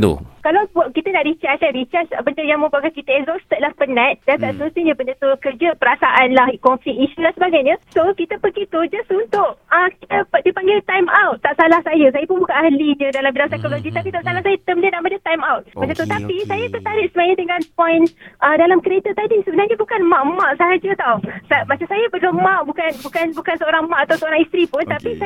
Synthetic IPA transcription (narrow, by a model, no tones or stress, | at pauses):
t̪ṵkalawpkit̪ənaʔɾit͡ʃasaɾit͡ʃat͡ʃbəndəjaŋmə̃mbakakit̪əɛkzɔst̪ət̪̚lahpənãt̪̚dant̪aʔsəlusiɲə̃bəndət̪ukərd͡ʒəpəɾasaʔanlahkɔnfiiʃudansəbaɡajɲə̃sokit̪əpəɡit̪ud͡ʒasunt̪ʊʔəkit̪ədipaŋɡɪlt̪ajmawt̪̚ːaʔsalahsajəsajapʊnbukaʔahliɲədalambilaŋsajkoloɡit̪apit̪aʔsalahsajat̪əmdiənamadət̪ajmawt̪̚mat͡ʃamt̪ut̪apisajakət̪aɾɪʔ̚səmaɲət̪əŋɡanpɔjnʔədalamkəɾet̪at̪adisəbənarɲəbukanmãʔmãʔsaɦad͡ʒət̪awsamat͡ʃamsajabəlomãʔbukanbukanbukansəoɾaŋmãʔat̪awsəoɾaŋist̪ɾipʊnt̪apis